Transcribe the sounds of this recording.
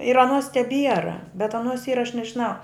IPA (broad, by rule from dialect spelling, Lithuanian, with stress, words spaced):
ɪr ɐˈnuɔs tʲɛˈbʲiɛrɐ bʲɛt ɐˈnuɔs ˈiːrɐ ɐʃ nʲɛʒʲɪˈnɐʊ